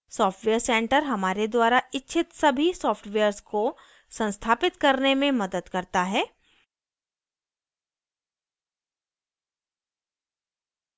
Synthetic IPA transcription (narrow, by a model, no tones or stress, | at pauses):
sɔːfʈʋeːəɾsɛ̃ːɳʈəɾɦɐmaːɾed̪waːɾaɪtːʃʰɪt̪sɐbʱisɔːfʰʈʋeːəɾsko | sɐ̃nst̪ʰaːpɪt̪kɐɾnemẽmɐd̪əd̪kɐɾt̪aɦɛː